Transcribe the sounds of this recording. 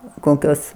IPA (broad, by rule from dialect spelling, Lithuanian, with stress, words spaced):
ˈkoːkʲoːs